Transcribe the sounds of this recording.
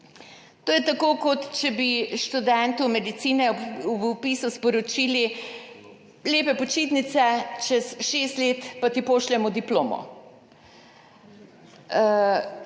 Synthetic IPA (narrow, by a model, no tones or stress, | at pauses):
t̪oːjɛt̪akoːkot̪t͡ʃɛbiʃt̪ud̪ɛnt̪umɛd̪it̪siːnɛupiːsuspɔɾɔt͡ʃiːli | leːpɛpɔt͡ʃiːt̪nit̪sɛt͡ʃɛsʃeːst̪leːt̪pat̪ipoːʃlɛmɔd̪iplo̰ːmɔ̰